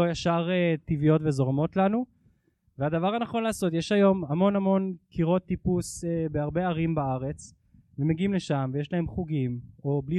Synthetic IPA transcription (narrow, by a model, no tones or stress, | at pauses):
ojaʃaʁetivijo̞tvezo̞ʁamo̞tlanu | vead̪avaʁanaχo̞nlaːso̞tjeʃajo̞mamo̞namo̞nkʰiʁo̞t̪ːipusebeaʁbe̞aʁimbaaʁe̞t͡s | vemeɡiimleʃamvejeʃlaɦe̞mχuɡimo̞bli